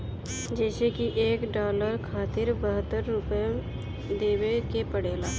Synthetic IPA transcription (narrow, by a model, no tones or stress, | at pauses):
d͡ʒɛːsekiʔeːkɖaːləɾkʰaːt̪ɪɾbəɦət̪ːəɾːʊpj | d̪eːʋekepəɽeːlaː